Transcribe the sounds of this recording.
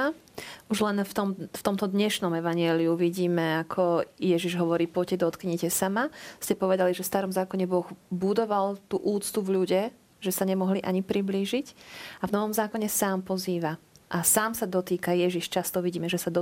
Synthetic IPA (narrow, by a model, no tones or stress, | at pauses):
a | uʒlɛnft̪ɔmft̪ɔmt̪ɔd̪ɲɛʃnɔmɛʋaɲɪɛːliuʋiɟiːmɛakʰɔjɛʒiʒɦɔʋɔɾiːpɔcɛd̪ɔt̪kɲɛcɛsamascɛpɔʋɛd̪aliʒɛfst̪aɾɔmzaːkɔɲɛbɔɣbud̪ɔʋalt̪uːʔuːt͡st̪uvʎuɟɛ | ʒɛsaɲɛmɔɦliʔaɲipɾibliːʒicavnɔʋɔmzaːkɔɲɛsaːmpɔziːʋaʔasaːmsad̪ɔt̪iːkajɛʒiʃt͡ʃast̪ɔʋiɟiːmɛʒɛsad̪ɔ